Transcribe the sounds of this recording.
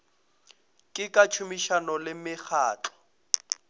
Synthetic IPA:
kʼɪkʼat͡ʃʰumiʃanɔlɪmɪk͡xʰaːt͡ɬɔ̥

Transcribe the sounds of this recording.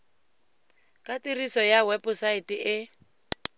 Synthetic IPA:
kʼatirisɔjawɛpʊsaɪtiʔɪ

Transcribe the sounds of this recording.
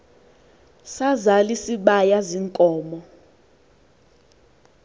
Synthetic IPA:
sazalisiɓajaziŋkʼɔːmɔ

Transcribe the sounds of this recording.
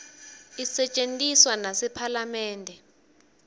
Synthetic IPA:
isɛt͡ʃʼentʼiswanasɛpʰalamɛːndʱɛ

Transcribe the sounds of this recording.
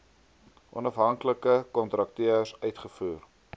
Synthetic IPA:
ʔɔnɐfɦɐŋkləkəkɔntrɐk̚tiəsœɥtχəfuːr

